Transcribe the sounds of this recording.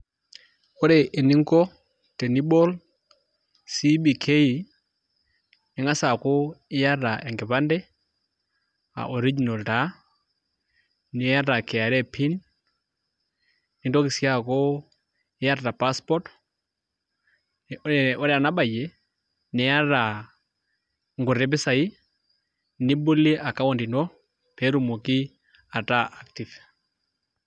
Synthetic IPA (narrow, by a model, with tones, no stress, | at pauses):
o˦ɾe˨ʔɪ˨nɪ˦ŋɡɔ˦ | te˨ni˦bɔ˦l | si˦bi˨kʰe˦i˨ | ɪ˨˦ŋa˦sa˨ko˦ɪ˦ja˦ra˨ʔɛ˨ŋɡɪ˨βa˦ndɛ˦ | a̰˨ʔo˨ɾi˦d͡ʒi˨na˨lta˨˦ | nɪ˨˦ja˦ɾa˨kɛ˨a˨ɾɛ˦pʰi˦n | nɪ˨ndɔ˦ki˨sja˦kɔ˦ | ɛ˦ja˦ɾta˨pa˦spɔ˦t | ɛɔ˦ɾɛ˦a˨na˦ba˨jɛ˨ | nɛ˨˦a˦ɾa˨ | ŋɡo˨ɾɛ˨˦bɪ˦sa˨i˦ | ni˦bu˦li˦ʔa˨ka˦wɔ˨ndi˨nɔ˦ | pɛ˨˦ɾu˨mo˨ki˦ | a˨ta˦ʔa˦kti˨v